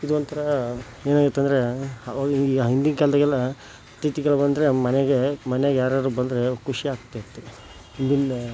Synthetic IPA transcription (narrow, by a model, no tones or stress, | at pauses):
id̪ʋont̪ʰɐɾɐ | eːnaːɡit̪ːɐnd̪ɐɾe̞aɦind̪iŋkɛːld̪aɡɛlːɐ | t̪it̪iɡɐɭɐbɐnd̪ɾe̞mɐneɡemɐneɡjaːɾaːd̪ɾubɐnd̪ɾekʰuʂiaːɡ̚t̪ːajt̪ːe | imbin